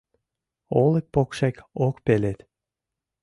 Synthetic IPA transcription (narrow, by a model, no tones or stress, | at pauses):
olek̚pokʃekokpelet̪